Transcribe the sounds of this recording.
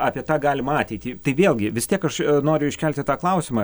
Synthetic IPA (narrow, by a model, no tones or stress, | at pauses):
ɑːpʲiɛt̪ɑːɡɑːlʲɪmɐɑːt̪ʲɛɪt̪ʲiːt̪ɐɪʋʲeːlˠɡʲɪʋʲɪst̪ʲiɛkɐʃnoːɾʲʊɪʃʲkʲɛlʲt̪ʲɪt̪ɑːklˠɐʊsʲɪmɐ